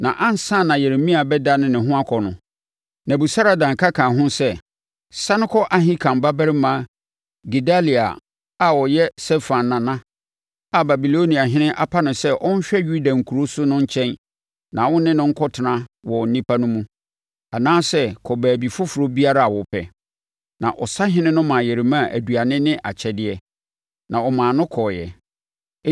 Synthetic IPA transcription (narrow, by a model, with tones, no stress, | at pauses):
nã˨ʔã˦n̩˨˦sã˦˨nã˨jɛ˨ɾmĩ˦a˨bɛ˦da˦nʊ̃˦nɪ̃˨ɦʊ̃˦a˦kʰɔ˨nʊ̃˨ | nã˨bu˨sa˦ɾa˨dã˨ŋ˨kʰa˦kʰã˨ɦʊ̃˦sɛ˦ | sa˦nɪ̃˦kʰɔ˦ʔa˦ɦɪ̃˦kʰã˨m˨ba˦bɛ˦ɾɪ˦mãː˨˦ | ɡi˨da˦li˨a̰˨ | a˨wɔ˨jɛ˦sɛ˦fã˨nːã˨nã˦ | a˨ba˨bi˨lo˦nĩ˨a˨ɦɪ̃˦nɪ̃˦ʔa˦pʰa˦nʊ̃˨sɛ˦ʔɔ˦n̩˦ɕᶣɛ˦ju˦da˨ŋ̩˨kʰu˨ɾo˦sʊ˦nʊ̃˦ɲ̩˦t͡ɕʰɛ̃˦n | nã˨wʊ̃˦nɪ̃˦nʊ̃˦ŋ̩˦kʰɔ˦tʰɪ˨nã˦wɔ˨n̩˦nĩ˦pʰa˦nʊ̃˦mũ˦ | a˨nãː˦sɛ˦kʰɔ˨bæː˨bi˨fʊ˦fʊ˨ɾo˦bi˦a˦ɾa˦a˨wɔ˨pʰɛ̰˨ | nã̰˨ʔɔ̰˨sa˦ɦɪ̃˦nɪ̃˦nʊ̃˦mã˨jɛ˨ɾɪ˨mã˦˨ʔæ̰˨du˨a˨nɪ̃˦nɪ̃˦ʔa˨t͡ɕʰɛ˨dɪ˨ɛ˦ | nã˨ɔ˨mãː˨nʊ̃˦kʰɔː˨jɛ̰˨˦